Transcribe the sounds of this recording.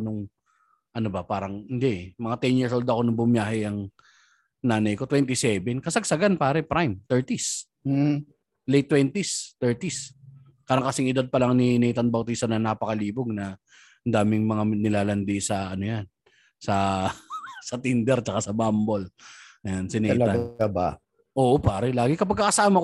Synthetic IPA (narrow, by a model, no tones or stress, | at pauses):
nʊŋ | ʔɐnobɐpaːɾɐŋhɪnd̪ɛʔmɐŋat̪ɛnjiɹsold̪ɐko̞nɐŋbʊmjaːhɛɐŋ | naːnɐjko̞t̪wɛnt̪ɪsɛbɛnkɐsɐɡ̚sɐɡanpaːɾɛpɾajmt̪ɛɹt̪is | lejt̪ːwɛnt̪ist̪ɛɹt̪is | kaɾɐŋkɐsɪŋɪd̪ad̪̚pɐlaŋninɛjt̪ɐnbɐwt̪ist̪ɐnɐnapɐkɐliːboɡ̚nɐ | ɐnd̪aːmɪŋmɐŋanɪlaːlɐnd̪isɐʔɐnojan | sɐ | sɐt̪ind̪ɛɾt͡ʃɐkasɐbamboljansɪnɛɐjɐɐaba̰ | ʔo̞ːʔopaːɾɛlaːɡɪkɐpɐɡ̚kːɐkɐsaːmɐk